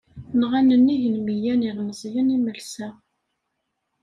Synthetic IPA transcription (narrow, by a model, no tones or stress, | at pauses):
nʁanənːiʝənmijæniðnəzˤjəniməlsæ